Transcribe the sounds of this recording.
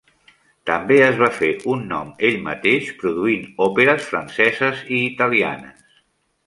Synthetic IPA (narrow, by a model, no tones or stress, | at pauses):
t̪əmbeəzβ̞afeʔunːɔ̰meʎmə̰t̪eʃpɾuðuinɔpeɾəsfɾə̰nsɛzəziːt̪əlia̰nə̰s